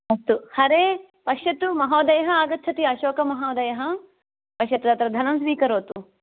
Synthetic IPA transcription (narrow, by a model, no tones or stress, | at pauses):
ɐst̪uhɐɾeː | pɐʃjɐt̪umɐɦoːd̪ɐjɐɦɐaːɡɐt̪ːt͡ʃʰɐt̪iɐʃoːkɐmɐɦoːd̪ɐjɐɦɐ | pɐʃjɐt̪ud̪ɐt̪ɾɐd̪ʱɐnɐmsʋiːkɐɾoːt̪u